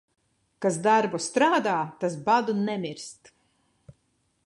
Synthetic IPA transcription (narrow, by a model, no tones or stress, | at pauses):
kazd̪aɾbust̪ɾaːd̪aːt̪as̬bad̪unɛmiɾst̪